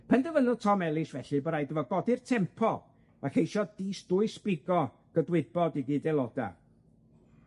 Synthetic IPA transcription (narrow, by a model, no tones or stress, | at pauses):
pʰɛndəvənʊtʰɔmɛlˠɪsvɛɬɨbəɾajdəvɔɡɔdɪrtʰɛmpʰɔ | makejʃɔdiːsd̥ʊɨsb̥ɪɡɔ | ɡ̥ədwɪd̚bɔdiɡidɛlˠɔda̰